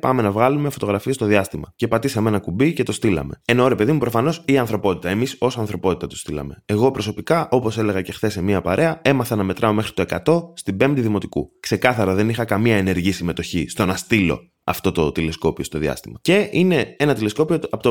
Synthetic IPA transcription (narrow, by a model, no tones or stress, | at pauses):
pɐme̞nɐvɣɐlumefo̞t̪o̞ɣɾɐfiest̪o̞ðiɐst̪imɐcepɐt̪isɐme̞nɐkubice̞t̪o̞st̪ilɐ̰me̞enoɾe̞pe̞ðimupɾo̞fɐno̞siɐnθɾopo̞t̪it̪ɐe̞miso̞sɐnθɾo̞po̞t̪i̥t̪ɐt̪u̥st̪ilɐ̰me̞ːɣo̞pɾo̞so̞pikɐʔo̞po̞se̞le̞ɣɐce̞xθe̞semiɐpɐɾʔe̞ɐe̞mɐθɐnɐme̞t̪ɾʔɐo̞me̞xɾit̪o̞e̞kɐt̪o̞st̪ibe̞md̪iðimo̞t̪ikṵkse̞kɐθɐɾɐðe̞nixɐkɐmiɐene̞ɾʝiisime̞t̪o̞çist̪o̞nɐst̪ilo̞̰ | ɐft̪o̞t̪o̞t̪ile̞sko̞pio̞st̪o̞ðiɐ̰st̪imɐce̞ine̞e̞nɐt̪ile̞sko̞pio̞ɐpt̪o